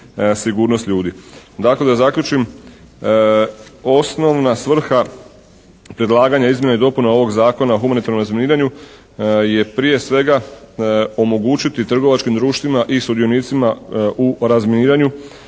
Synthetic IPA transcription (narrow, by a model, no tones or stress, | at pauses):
siɡuːɾnost̪ʎʲuːd̪id̪akled̪azakʎʲut͡ʃim | o̞sno̞ʋnasʋr̩xa | pɾe̞d̪lˠaːɡaɲaizmje̞naid̪o̞punao̞ʋo̞ɡzaːko̞naoxumanit̪aɾno̞mɾazminiːɾaɲu | je̞pɾije̞sʋe̞ɡa | o̞mo̞ɡuːt͡ʃit̪it̪r̩ɡo̞ʋat͡ʃkimd̪ɾuːʃt̪ʋimaʔisud̪io̞niːt̪simauɾazminiːɾaɲu